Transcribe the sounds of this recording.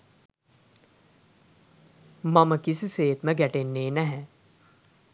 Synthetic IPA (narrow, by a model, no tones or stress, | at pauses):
mɐmɐkisiseːt̪mɛ̃ɡɛʈenːeːnɐɦɛ